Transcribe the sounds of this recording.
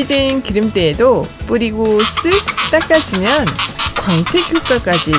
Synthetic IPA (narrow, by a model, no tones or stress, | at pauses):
idɯnkiɾɯmt͈e̞ːdop͈uɾiɡos͈ʰɯt͈ak͈ad͡ʑimjʌnkwaŋtʰekʰjok̚k͈ak͈ad͡ʑi